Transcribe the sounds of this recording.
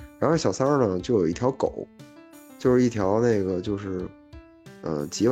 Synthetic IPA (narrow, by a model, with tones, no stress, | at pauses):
ɻa˧˥nxo˥˧ʊɕjɑ˨˩ʊsa˥nə˨t͡ɕjo˥˩ʊjo˨˩ʊi˥˩t̪ʰjɑ˧˥ʊko˨˩˦ʊt͡ɕjo˥˧ʊʂɻ̩˥˩i˥˩t̪ʰjɑ˧˥ʊne˥˩ɪɡə˩t͡ɕjo˥˧ʊʂɻ̩˥˩ | ə̰˧t͡ɕi˧˥